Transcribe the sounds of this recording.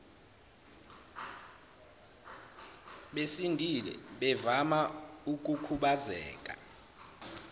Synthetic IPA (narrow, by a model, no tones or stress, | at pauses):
ɓesindʱilɛ̰ɓɛvamauk̬ʼukʰuɓazɛ̰ːkʼa